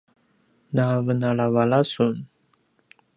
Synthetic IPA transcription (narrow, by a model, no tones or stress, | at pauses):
navənalavalasun